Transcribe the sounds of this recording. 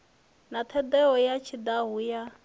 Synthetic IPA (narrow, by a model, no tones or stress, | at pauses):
nat̪ʰɛd̪ɛɦɔjat͡ʃʰid̪aɦuja